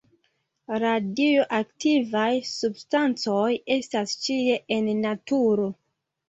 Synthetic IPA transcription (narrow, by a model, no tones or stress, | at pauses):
ɾadioʔaktivajsubstant͡so̞je̞stast͡ʃie̞ʔenːatuɾo̞